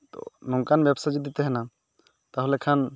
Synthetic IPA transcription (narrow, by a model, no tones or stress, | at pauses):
t̪ɔ̰nɔŋkanbjɛbsad͡ʒid̪it̪ɛɦɛna | t̪aɦulɛkʰan